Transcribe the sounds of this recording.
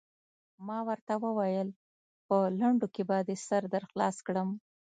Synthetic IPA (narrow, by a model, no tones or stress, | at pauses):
mɑwəɾt̪awəwajəl | pəlaɳɖokebad̪əsaɾd̪aɾxlɑskɽəm